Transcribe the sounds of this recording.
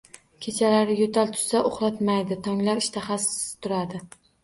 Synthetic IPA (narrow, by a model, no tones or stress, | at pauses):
kʲʰe̞t͡ʃʰalaɾɪjot̪ʰalt̪ʰʊ̥saʔoχɾat̪majd̪ɪt̪ʰɒŋlaɾɪʃt̪ʰaχasɪ̥t̪ʰʊɾad̪ɪ